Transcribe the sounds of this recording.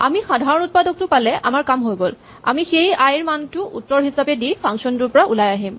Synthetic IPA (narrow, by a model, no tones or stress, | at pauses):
a̰mixadʱaɹɔnut̚padɔk̚tʊpalɛʔa̰maɹkamɦojɡol | a̰mixejajɹmantʊʔutːɔɹɦisapɛdipʰaŋsɔntʊɹpɔɹaʔulajaɦim